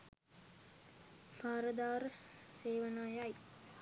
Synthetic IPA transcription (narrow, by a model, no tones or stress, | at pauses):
pʰaːɾəd̪aːɾəseːʋənajaj